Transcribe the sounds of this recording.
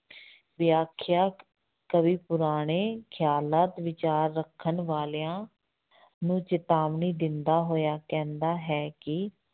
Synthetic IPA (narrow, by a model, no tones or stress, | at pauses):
ʋɪjaːkʰjaː | kəʋiːpʊɾaːɽ̃eːkʰɪjaːlaːt̪ʋɪt͡ʃaːɾːəkʰːənʋaːleãː | nũːt͡ʃɪt̪aːʋniːd̪ɪnd̪aːɦoːjaːkɛ̃ːnd̪aːɦɛːkɪ